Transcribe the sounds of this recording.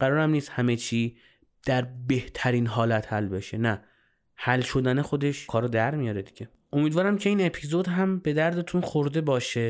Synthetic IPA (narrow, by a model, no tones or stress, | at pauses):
ɢ̥æɾɒːɾæmniːst̪hæmet͡ʃʰiː | d̪̥æɾbe̞ht̪ʰæɾiːnɦɒːlæt̪ʰhælbeʃenæ | hælʃo̞d̪ænexo̞d̪e̞ʃkʰɒːɾod̪æɾmijɒːɾed̪iɟ̥e̞ | ʔo̞miːd̪vɒːɾæmcʰeiːne̞pʰizo̞d̪ɦæmbe̞d̪æɾd̪e̞t̪ʰunxoɾd̪e̞bɒːʃe̞